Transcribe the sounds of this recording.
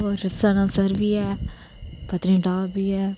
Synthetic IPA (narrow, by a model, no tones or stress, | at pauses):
ɔɾɪsaːnãːsəɾʋiːɛː | pət̪nĩːʈaːbiːɛː